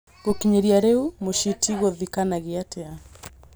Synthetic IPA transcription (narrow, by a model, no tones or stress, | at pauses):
ɡokiɲɛɾiaɾɛumuʃitʰiɣɔðikanaɣiatɛa